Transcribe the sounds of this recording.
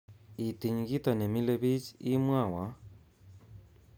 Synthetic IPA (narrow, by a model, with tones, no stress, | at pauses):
i˨t̪i˨ɲi˨ɡi˦t̪a˨ne˨mi˦le˦βi˦t͡ʃi˦mwa˦˨wa˨˦